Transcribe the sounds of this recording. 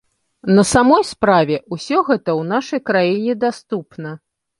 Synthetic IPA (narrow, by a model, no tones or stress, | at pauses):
nɐsamɔjspɾavʲɛʔusʲɔɣɛt̪ɐwnaʂɐjkɾajinʲɛd̪ast̪upnɐ